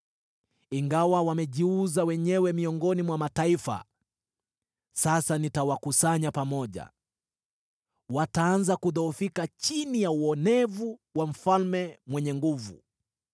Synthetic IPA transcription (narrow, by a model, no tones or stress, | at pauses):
iŋɡawawamɛʄiuzawɛɲɛwɛmiɔŋɡɔnimwamataifa̰ | sasanitawakusaɲapamɔʄa̰ | wataanzakuðɔufikat͡ʃinijauɔnɛvuwam̩falmɛmwɛɲɛŋɡuvṵ